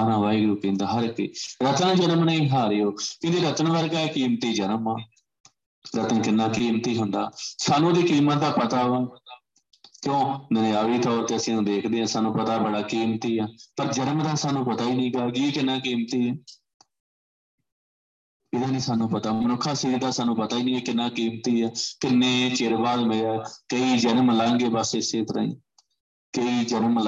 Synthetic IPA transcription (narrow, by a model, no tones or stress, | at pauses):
aːnãːʋaːiɡɾuːkĩːnd̪aːɦəɾkḛːɾət̪ənd͡ʒənmnaĩːɦaːɾeoːkɪ̃ːd͡ʒ̪eːɾət̪ənʋəɾɡaːɛːkiːmt̪iːd͡ʒənəmaː | ɾət̪ənkɪnːãːkiːmt̪iːɦʊnd̪a̰ːsaːnũːd̪iːkiːmət̪̚d̪aːpət̪aːʋə | kjõːnaːʋiːt̪ɔːɾt̪eːəsĩːnũːd̪eːkʰd̪eːãːsaːnũːpət̪aːbəɽaːkiːmt̪iːãːpəɾd͡ʒənmd̪aːsaːnũːpət̪aːiːnĩːɡaːɡiːeːkɪnːãːkiːmt̪iːɦɛː | ɪd̪ãːnĩːsaːnũːpət̪aːmənʊkʰːaːsiːd̪aːsaːnũːpət̪aːiːnĩːeːkɪnːaːkiːmt̪iːɛːkɪnːẽːt͡ʃeɾbaːd̪meaːkəiːd͡ʒənmlãːŋɡeːbəsɪseːt̪əɾə̰̃ḭ̃ː | kəiːd͡ʒənml